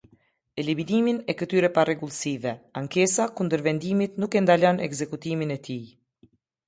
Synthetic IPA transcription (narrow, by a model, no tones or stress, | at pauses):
ɛlimind̪iminɛkət̪yɾɛparɛɡulˠsivɛaŋkɛsakund̪əɾvɛnd̪imit̪nukɛnd̪alɔnɛɡzɛkut̪iminɛt̪i